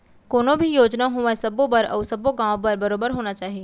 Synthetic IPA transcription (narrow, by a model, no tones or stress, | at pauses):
koːnõbʱijoːd͡ʒnaɦoːʋasɐbõbɐɾɐ̰ːsɐboɡãːʋpɐɾbɐɾoːbəɾɦoːnat͡ʃaːɦieː